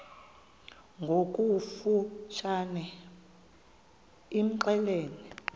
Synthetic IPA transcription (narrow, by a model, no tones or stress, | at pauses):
ŋɡʱokʼufuʃʰanɛ | im̩ǃɛleːni